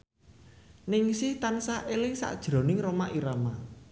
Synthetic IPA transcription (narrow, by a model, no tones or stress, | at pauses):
nɪŋsɪht̪ansaʔelɪŋsa̰ʔd̥ʒ̥ɾɔ̤nɪŋromaʔiɾama